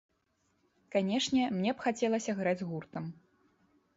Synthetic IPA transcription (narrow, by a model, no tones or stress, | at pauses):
kanʲɛʂnʲɛmnʲɛpxat͡sʲɛlˠɐsʲɐɣɾad͡zʲɣurt̪ɐm